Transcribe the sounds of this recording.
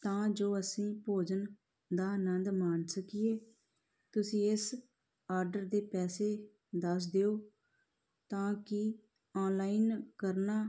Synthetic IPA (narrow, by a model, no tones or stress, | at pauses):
t̪ãːd͡ʒoːəsĩːpoːd͡ʒən | d̪aːnənd̪maːnsəkɪeː | t̪ʊsĩːɪs | aːɾɖəɾd̪eːpɛːseː | d̪əs̬d̪eoː | t̪ãːkɪ | ɔːnlaːinkəɾnaː